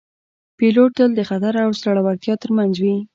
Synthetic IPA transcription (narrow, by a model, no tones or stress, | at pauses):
piloʈ̚d̪əld̪əxat̪aɾawsɾaɽawaɾt̪jɑt̪əɾmanzwi